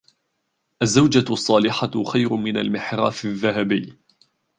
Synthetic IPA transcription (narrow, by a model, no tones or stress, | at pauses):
ʔazːawd͡ʒasˤːɑːlɪħaxajɾʊmɪnalmɪħɾa̰ːfɪðːaɦabɪjː